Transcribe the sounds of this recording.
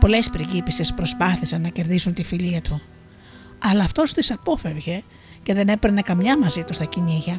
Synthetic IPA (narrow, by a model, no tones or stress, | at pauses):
po̞le̞spɾiʝipisispɾo̞spɐθisɐnːɐce̞ɾðisunt̪ifiʎiɐt̪ʰu | ɐlɐːft̪o̞st̪isɐpo̞fe̞vʝe̞ | ce̞ðe̞ne̞pɾenekɐmɲɐmɐzit̪ust̪ɐciniʝɐ